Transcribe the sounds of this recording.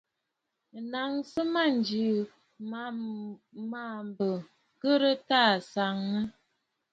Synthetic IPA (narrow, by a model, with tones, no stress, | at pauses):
na˨ŋsə˦ma˦˨nd͡ʒi˨ | ma˨mbə˨ | kə˦ɾə˦ta˦˨sa˨ŋnə˦